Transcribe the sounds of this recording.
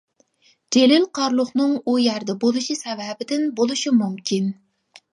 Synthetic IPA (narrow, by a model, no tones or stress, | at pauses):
d͡ʒelɪlqʰɑɾlˠʊχnɨŋujæɾd̪ɛbolˠuʃisɛvɛbɪd̪ɪnbolˠuʃimumkʲʰin